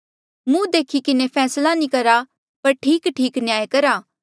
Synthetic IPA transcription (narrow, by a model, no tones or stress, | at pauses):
mũd̪eːkʰikɪnepʰɛːslanĩkɐɾa | pɐɾʈʰiːkʈʰiːknɪjaːjkɐɾaː